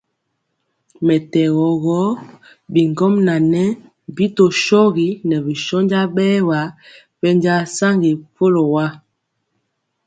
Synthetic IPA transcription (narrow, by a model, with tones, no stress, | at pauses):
mɛ˨tɛ˨ɣɔ˨ɣɔ˦ | bi˨ŋ˨ɡɔ˦mna˨nɛ˦ | bi˦to˨ʃɔ˦ɣi˨˦nɛ˨bi˨ʃɔ˦nd͡ʒa˦bɛ˦wa˨˦ | pɛ˦nd͡ʒa˦sa˦ŋɡi˨fo˦lo˨wa˦